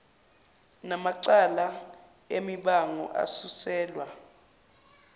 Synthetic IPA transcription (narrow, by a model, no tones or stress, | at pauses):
namaǀala | emiɓaŋɔ̰ʔa̰susɛːlwa